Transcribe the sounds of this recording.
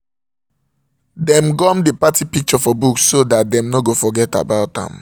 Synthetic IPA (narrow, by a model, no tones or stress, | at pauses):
dɛ̃mɡɔ̃mdepatipik̚t͡ʃɔfɔbuksːodat̚dɛ̃mnoɡofɔɡɛta̰baʊtã̰m